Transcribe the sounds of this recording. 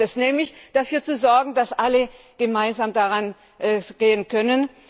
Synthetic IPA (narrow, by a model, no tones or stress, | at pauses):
ɛsnɛːmlɪçd̥afyːɐt͡suzɔɐɡŋ̩dasʔalə | ɡ̥əmaɪnzaːmdaʁan | ʔɡ̥eːənkʰœnən